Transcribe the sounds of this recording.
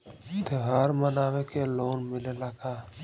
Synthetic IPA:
t̪eɦaːɾmənaːʋekeloːnmɪlelaɡaː

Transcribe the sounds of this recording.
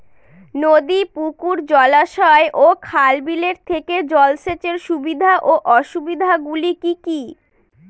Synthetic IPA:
nod̪ipukuɾd͡ʑɔlaʃɔeʔokʰalbileɾt̪ʰeked͡ʑɔlʃet͡ɕeɾʃubid̪ʱaʔoʔɔʃubid̪ʱaɡulikiki

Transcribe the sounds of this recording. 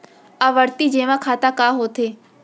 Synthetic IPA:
aʋəɾt̪id͡ʒeːʋãkʰaːt̪akaːɦoːt̪ʰeː

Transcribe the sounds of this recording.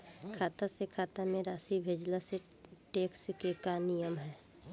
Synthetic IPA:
kʰaːt̪asekʰaːt̪amẽɾaːsibʱeːd͡ʒlase | ʈeːkskekanijəmɦɛː

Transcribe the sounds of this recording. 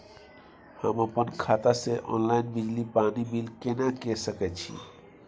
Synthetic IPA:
hə̰məpənkʰat̪aseʔɔ̰nlajnbid͡ʒlipanibilkenakesəkɛt̪̚t͡ʃʰḭ

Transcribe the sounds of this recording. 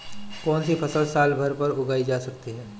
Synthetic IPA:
kɔːnsipʰɐsəlsaːlbʱɐɾpɐɾʊɡaːid͡ʒaːsɐkt̪iɦɛː

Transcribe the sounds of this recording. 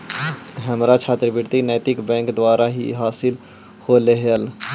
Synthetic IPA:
ɦəmɾat͡ʃʰaːt̪ɾbɪɾt̪inɛːt̪ɪkbɛ̃ːŋkd̪waːɾaɦḭɦaːsɪl | holeɦəl

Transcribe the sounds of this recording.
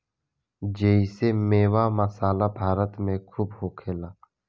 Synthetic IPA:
d͡ʒeːisemeːwaːməsaːlabʱaːɾət̪mẽkʰuːbɦoːkʰeːlaː

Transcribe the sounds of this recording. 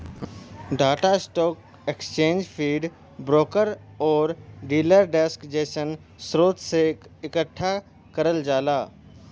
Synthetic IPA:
ɖaːʈasʈɔːk̚ | ekst͡ʃẽːnd͡ʒpʰiːɖ | bɾoːkəɾ | ɔːɾɖiːləɾɖɛskd͡ʒeːʃən | sɾoːt̪seɪkəʈʰːa | kɐɾəld͡ʒaːlaː

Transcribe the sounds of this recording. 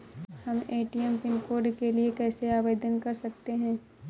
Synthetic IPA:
hɐmeːʈiɛmpɪnkoːɾɖkeliekɛːseaːʋeːd̪ənkɐɾsɐk̚t̪eɦɛ̃ː

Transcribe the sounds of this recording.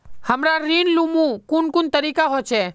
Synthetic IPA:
həmɾaɾinlumũkunkunt̪əɾikaɦot͡ʃʰe

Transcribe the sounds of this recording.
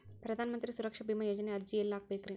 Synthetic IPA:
pɾɐðaːnɐmɐnd̪ɾisʊɾɐkʂɐbiːmɐjoːd͡ʒɐneɐɾd͡ʒijɛlːaːk̚peːkːɾeːn

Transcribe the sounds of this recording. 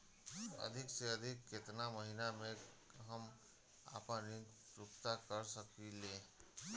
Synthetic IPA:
ə̰d̪ʱikseəd̪ʱikːet̪naməɦiname | ɦəm | a̰pənːi | ɾukt̪akəɾsəkile

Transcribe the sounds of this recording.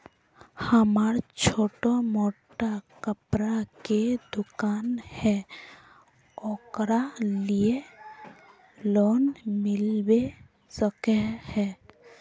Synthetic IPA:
həmaːɾt͡ʃʰoːʈomoːʈakəpɾaked̪ʊkaːnhɛ | ɔːkɾalije | loːnmɪlbe | səkehɛ

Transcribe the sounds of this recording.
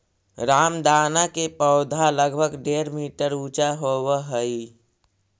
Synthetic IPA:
ɾaːmd̪aːnakepəːd̪ʱaləɡbʱəɡɖeːɾmiːʈəɾuːt͡ʃaɦowəɦəi

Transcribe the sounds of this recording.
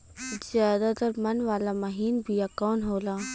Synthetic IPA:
zjaːd̪at̪əɾmɐnʋaːlamɐɦiːnbʱijakɔːnɦoːlaː

